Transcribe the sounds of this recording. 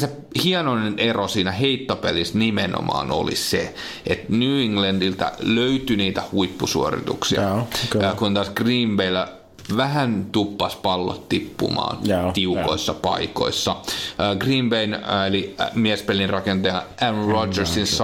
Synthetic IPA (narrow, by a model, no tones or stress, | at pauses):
se | hiɑnoinenʔerosiːnæheit̪ːopelisnimeno̰mɑ̰ːno̰lḭse | et̪nyːiŋlændilt̪æ̰løyt̪yniːt̪æhuipːusuorḭt̪ṵksḭɑ̰kːkunt̪ɑˑsɡ̥riːmbeilæ | ʋæɦænt̪upːɑspɑlːo̰t̪t̪ipːṵmɑ̰ːnt̪iuko̰isːɑpɑ̰iko̰isːɑːɡriːmbeinelimiɛspelinrɑkent̪ɑjɑʔænrod͡ʒersins